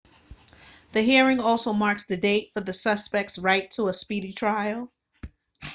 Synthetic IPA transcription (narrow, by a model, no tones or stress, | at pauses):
ðɨɦiɹɪ̃ŋɔlˠsoʊmɑɹksðɨdeɪtfə˞ðɨsʌspɛk̚tsɹaɪtʰəəspiɾitʰɹ̥aɪl̩ˠ